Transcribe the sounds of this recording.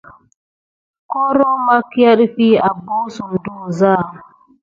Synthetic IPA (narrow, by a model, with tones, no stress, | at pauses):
ko˦ɾo˦ma˦ki˦a˦ɗfi˦a˨bo˦su˨m˨du˦˨zaː˦˨